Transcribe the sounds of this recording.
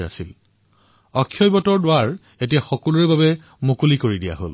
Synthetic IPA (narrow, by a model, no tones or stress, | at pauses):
a̰sil | ɔkʰːjɔjbɔtɔɹdʊwaɹ | et̬ijaxɔkɔluɹɛbabɛ | mokulikoɹidija̰ɦo̰l